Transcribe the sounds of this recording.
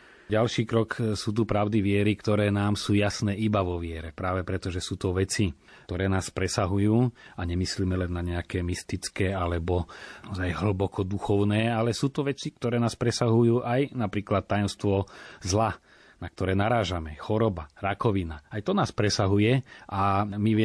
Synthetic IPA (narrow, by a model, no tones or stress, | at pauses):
ɟalʃiːkɾɔksuːt̪̬upɾaʊd̪iʋɪɛɾikt̪ɔɾɛːnaːmsuːjasnɛːibaʋɔʋɪɛɾɛpɾaːʋɛpɾɛt̪ɔʒɛsuːt̪ɔʋɛt͡si | t̪ɔɾɛːnaːspɾɛsaɦujuːaɲɛmislimɛlɛnːaɲɛakɛːmist̪it͡skɛːalɛbɔɔzajɦɭ̩bɔkɔd̪uxɔʊnɛːalɛsuːt̪ɔʋɛt͡sik̚t̪ɔɾɛːnaːspɾɛsaɦujuːʔajnapɾiːklat̪ːajɔmst̪ʋɔzla | nak̚t̪ɔɾɛːnaɾaːʒamɛxɔɾɔbaɾakɔʋinaajt̪ɔnaːspɾɛsaɦujɛʔamiʋɛ